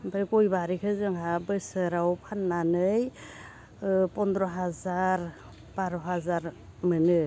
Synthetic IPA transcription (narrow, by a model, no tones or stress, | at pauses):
bɯɾɡɔjbaɾikʰɯzɯŋɦabɯsɯɾawpʰanːanɯj | pɔnd̪ɾɔɦazaɾ | b̥aɾɔɦazaɾ | mɯnɯ